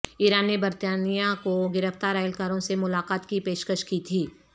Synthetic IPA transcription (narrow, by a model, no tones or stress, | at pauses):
iːɾaːnːebɐɾt̪aːnijakoɡɪɾəft̪aːɾaːəlkaːɾõsemʊlaːqaːt̪kipeːʃkəʃkit̪ʰiː